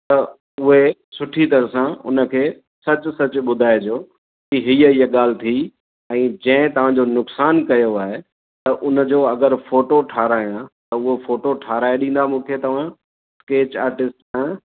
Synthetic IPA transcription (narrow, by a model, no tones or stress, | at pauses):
t̪ɐ | ʊɦesʊʈʰit̪ɐɾəsãʊ̰nə̆kʰeː | sɐt͡ɕʊ̆sɐt͡ɕʊɓʊd̪ʱaːed͡ʑoː | kiɦiːəijəɠaːl̤ɪt̪ʰi | ɛ̃ːd͡ʑɐ̃ɪ̃t̪ɐʋ̤ãd͡ʑonʊksaːnkɐjoaːɦe | t̪ɐʔʊnə̆d͡ʑoːɐɡəɾfoːʈoʈʰaːɾaːijãt̪ɐʊɦofoːʈoʈʰaːɾaːeɗĩːnd̪amũːkʰet̪ɐʋ̤ã | skeːt͡ɕa̰ːɾʈɪsʈsã